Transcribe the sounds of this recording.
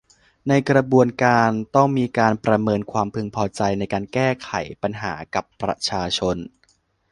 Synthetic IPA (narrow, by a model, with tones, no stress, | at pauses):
na˧jkɾa˧bu˧ənkaː˧nt̪ɔ˥˩ŋmiː˧kaː˧npɾa˧mɤː˧nkʰwaː˧mpʰɯ˧ŋpʰɔː˧t͡ɕa˧jna˧jkaː˧nkɛː˥˩kʰa̰˩˦jpa˧nɦa̰ː˩˦ka˨˩pːɾa̰˧t͡ɕʰaː˧t͡ɕʰo˧n